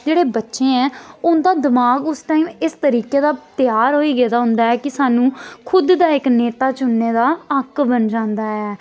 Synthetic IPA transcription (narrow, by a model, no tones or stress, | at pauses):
d͡ʒeːɽeːbətːʃẽːɛ̃ːʊnd̪aːd̪ɪmaːɡʊsʈaːiːmɪst̪əɾiːkeːd̪aːt̪ɪjaːɾɦoːiːɡɛːd̪aːɦʊnd̪aːɛːkɪsaːnũːkʰʊd̪ːaːɪkneːt̪aːt͡ʃʊnːeːd̪aːəkbənd͡ʒãːnd̪aːɛː